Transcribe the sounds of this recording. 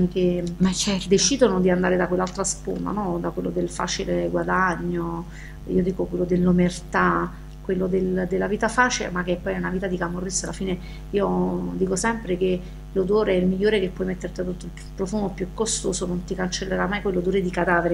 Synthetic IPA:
ke | d̪et͡ʃid̪onod̪iand̪aːɾed̪akwelːalt̪ɾaspo̰nd̪a̰nɔd̪akwelːod̪elfa̰ːt͡ʃileɡwad̪aɲːo | ḭːod̪iːkokwelːod̪elːomert̪a | kwelːod̪eld̪elːaviːt̪afaːt͡ʃilḛmak̟epːɔjɛunaviːt̪ad̪ikamorːisalːafiːne | iːod̪iːkosɛmpɾeke | lod̪oːɾeɛilmiʎːoːɾekepːwɔjmet̪ːert̪ad̪ot̪ːoil | pɾofuːmopjukːost̪oːsonont̪ikant͡ʃelːeɾamːajkwelːod̪oːɾed̪ikad̪aːveɾe

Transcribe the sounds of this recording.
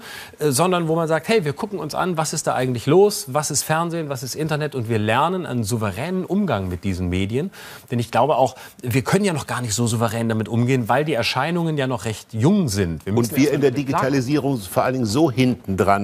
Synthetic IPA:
ʔɛzɔndɐnvoːmanzaːk̚thɛɪviːɐkʰʊkŋ̩ʊnsʔa̰nvasɪst̚d̥aːʔa̰ɪɡŋ̩tlɪçloːsvasɪstfɛɐnzeːnvas̬ɪstʔɪntɐnɛtʊntv̥iːɐlɛɐnənʔa̰ɪnənzuvəʁɛːnənʔʊmɡaŋmɪt̚d̥iːzn̩meːdiən | d̥ɛnɪçɡ̥laʊbəʔaʊx | viːɐkʰœnənjaːnɔχɡ̥aːɐnɪçtz̥oːzuvəʁɛːndamɪtʔʊmɡeːənvaɪldiːɛɐʃaɪnʊŋənjaːnɔχʁɛçtjʊŋzɪntv̥iːɐmʊnstn̩viːɐɪndeːɐdiɡitʰaliziːʁʊŋfoɐʔalndɪŋzoːhɪntn̩dʁan

